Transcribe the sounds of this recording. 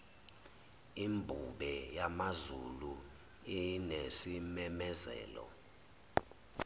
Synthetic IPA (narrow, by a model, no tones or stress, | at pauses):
imbʱuɓɛjamazulu | inesimɛmɛzɛ̰ːlɔ̰